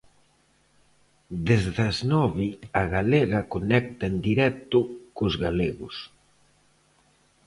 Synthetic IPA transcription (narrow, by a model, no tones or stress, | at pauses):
d̪ezðɐznɔβiɐɣaleɣɐkonɛk̚t̪aend̪iɾɛk̚t̪ʊkʊzɣaleɣʊs